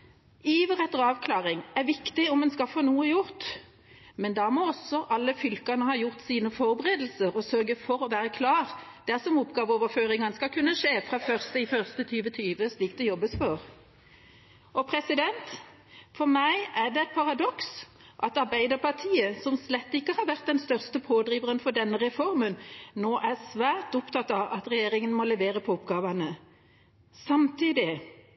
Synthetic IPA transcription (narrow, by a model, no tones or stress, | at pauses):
iːʋəʁɛt̪ːəʁɑːʋkʰlɑːʁɪŋæɾʋɪkt̪ɪɔmɛnskɑfoːnuːəjʊɾt̪ | mɛnd̪ɑmoːɔsːɔʔɑlːəfʏlkɑnəhɑːjʊʁt̪siːnəfɔɾbəʁeːd̪l̩səɾɔsœɾɡəfɔɾɔʋæːɾəkʰlɑːɾd̪̥æsɔmʊpɡɑːʋəɔːʋəɾføːʁɪŋɑnəskɑkʰʉnːəʂeːfɾɑːfœʁst̪əɪfœʁst̪ət̪ʰyːʋət̪ʰyːʋəsliːk̚t̪ɛjɔbəsfɔɾ | ɔpʰɾɛsɪd̪ɛnt̪ | fɔɾmæɪæd̪ɛɛt̪̚pʰɑʁɑd̪ɔks | ʔɑt̪ɑɾbæɪd̪əɾpɑt̪ʰiːəsɔmslɛt̪ːɪkːəhɑɾʋæʁt̪̚d̪ɛnst̪œʁst̪əpʰoːd̪ɾiːʋəʁənfɔɖ̪ɛnːəɾɛfɔɾmənnoːʔæʁsʋæːʁt̪ʊpt̪ɑt̪ːɑʋʔɑt̪ɾɛjeːɾɪŋənmɔlɛʋeːɾəpʰɔʊpːɡɑːʋɑnə | sɑmt̪iːd̪ɪ